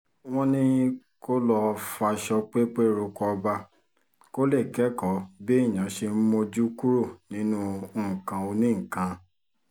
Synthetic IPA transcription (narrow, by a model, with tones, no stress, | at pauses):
w̃ɔ̃˦nĩ˦ | ko˦lɔ˧fa˧ʃɔ˧k͡pe˦k͡pe˦˨ɾo˧kɔ˧ba˧ | ko˦le˦˨kɛ˨˦kɔ˨˦be˦i˦˨j̃ã˨˦ʃe˧m̩˦mõ˧d͡ʒu˦ku˦ɾo˦˨nĩ˨˦nũ˦˨ŋ̩˨kã˨o˧nĩ˦ŋ̩˨kã˨˧